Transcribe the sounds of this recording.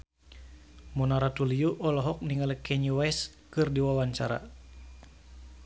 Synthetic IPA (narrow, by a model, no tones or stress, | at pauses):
mɔnaɾat̪uliuʔɔlɔɦɔk̚niŋalɛkɛɲuwɛskɨrdiwawaɲt͡ʃaɾa̰